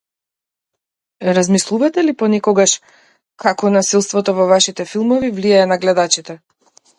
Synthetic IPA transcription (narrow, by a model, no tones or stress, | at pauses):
ɾazmislˠuvat̪ɛlipɔnɛkɔɡaʃ | kakɔnasilˠst̪vɔt̪ɔvɔvaʃit̪ɛfilˠmɔvivlijaɛnaɡlɛd̪at͡ʃit̪ɛ